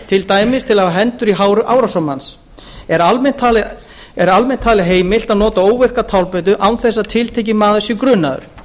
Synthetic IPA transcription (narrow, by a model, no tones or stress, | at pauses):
t̪ʰɪlt̪aːjmɪst̪ʰɪlavaɦɛnt̪ʏɾiɦaːwɾʏʔaːwɾasɔmans | ɛɾalmɛn̥t̪ʰaːl | ɛɾalmɛn̥t̪ʰaːlɪɦeːjmɪl̥t̪aðnɔːt̪aoːwvɛr̥kat̪ʰawlpɛt̪̬ʏʔawθɛsːat̪ʰɪlt̪ʰejc̬ɪmaːðʏsɪkɾʏːna̰ðʏ̰ɾ̥